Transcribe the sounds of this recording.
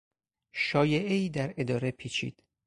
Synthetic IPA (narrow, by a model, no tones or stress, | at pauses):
ʃɒːjeeiːd̪æɾe̞d̪ɒːɾe̞pʰiːt͡ʃʰḭːd̪̥